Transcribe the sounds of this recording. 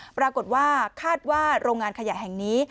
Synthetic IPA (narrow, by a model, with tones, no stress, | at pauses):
pɾaː˧ko˨˩t̪̚waː˥˩kʰaː˥˩t̪̚waː˥˩ɾoː˧ŋːaː˧nkʰa˧ja˨˩ɦɛ˨˩ŋniː˦˥